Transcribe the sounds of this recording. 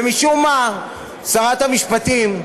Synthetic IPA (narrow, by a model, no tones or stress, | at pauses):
miʃuma | saʁat̪hamiʃpat̪im